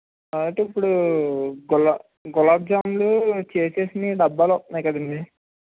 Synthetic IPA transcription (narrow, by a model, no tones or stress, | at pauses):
aɐʈeipːuɽu | ɡɔla | ɡɔlaːp̚d͡ʒaːmlut͡ʃeːseːsiniɖɐbːaːlɔtnaːjkɐd̪ɐɳɖi